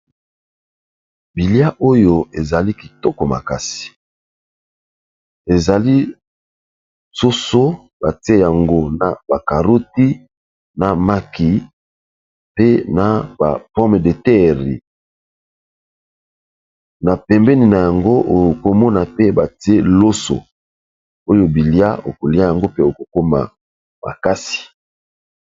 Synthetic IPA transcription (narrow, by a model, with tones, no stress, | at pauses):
bi˨lja˦ʔo˦jo˨e˨za˨li˦ki˨tɔ˦kɔ˨ma̰˨ka˨si̥˨ | e˨za˨li˦ | so˦so˦ | ba˨ti˦e˦ja˨ŋɡo˦na˨ba˨ka˨ʁo˦ti˦ | na˨ma˦ki˨ | pe˦na˨ba̰˨pɔ̃˦me˨de˨tɛ˦ʁḭ˨ | na˨pɛ˨mbɛ˦ni˨na˨ja˨ŋɡo˦o˨ko˨mɔ˦na˨pe˦ba˨ti˦e˦lo˦so̰˨ | o˦jo˨bi˨lja̰˦o̰˨ko˨li˦a˦ja˨ŋɡo˦pe˦o˨ko˨ko˦ma̰˨ | ma̰˨ka˦si̥˨